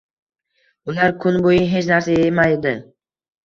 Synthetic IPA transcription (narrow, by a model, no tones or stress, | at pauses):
ʊlaɾkʰʊnbojɪɦe̞t͡ʃnaɾsaemajed̪ɪ